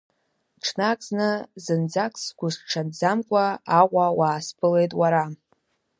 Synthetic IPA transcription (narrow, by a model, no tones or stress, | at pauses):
ʈ͡ʂʰnakʼznɨzɨnd͡zakʼsɡʷʊʂʈ͡ʂʰand͡zamkʷʼaːqʷawaːspʰɨle̞jtʼwaɾa